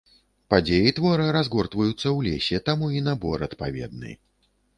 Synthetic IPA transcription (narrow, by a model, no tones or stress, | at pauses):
pad͡zʲejit̪vɔɾɨɾazɡɔrt̪vɐjut̪sːɐwlʲḛsʲɛt̪amuinabɔɾɐt̪pa̰vʲɛ̰d̪̚nɨ̰